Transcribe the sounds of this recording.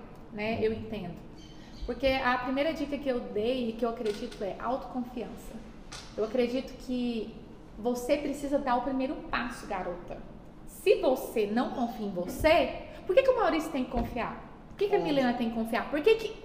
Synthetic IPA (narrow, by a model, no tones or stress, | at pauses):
nɛewẽnt̪ẽnd̪ʊ | poɾkeɐpɾimejɾɐd͡ʒikɐkɪewd̪ejɪkɪewakɾed͡ʒit̪ʊɛʔa̰wt̪ʊ̥kõfiɐ̃sɐ | ewakɾed͡ʒit̪ʊ̥kʰɪ | vosepɾesizɐd̪aɾʊpɾimejɾʊpasʊɡaɾot̪ɐ | sɪvosenɐ̃w̃kõfiẽvosepoɾkekɪʊmawɾisjʊ̥t̪ẽj̃kɪ̥kõfia̰ɾ | poɾkekɪɐmilẽnɐt̪ẽj̃kɪ̥kõfiaɾpoɾkekɪ